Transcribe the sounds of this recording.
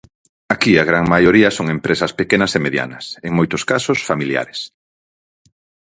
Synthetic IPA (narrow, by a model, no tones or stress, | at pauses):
akiaɣ̞ɾaŋmajoɾiɐsoŋempɾesɐspekenɐsemeðja̰nɐ̰seŋmojt̪ʊskasosfamilja̰ɾes